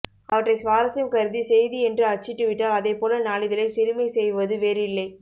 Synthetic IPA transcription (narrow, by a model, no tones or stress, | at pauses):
ɐʋɐʈrɐɪsʋaːɾɐsjɐmkɐɾɯðisɛjðiɛndrɯɐɾt͡ʃːɪʈːɯʋɪʈːaːlɐðeːpoːlɐnaːɭɪðɐɪlɐɪsɪɾɯmɐɪsɛjʋɐðɯʋeːɾɪlːɐɪ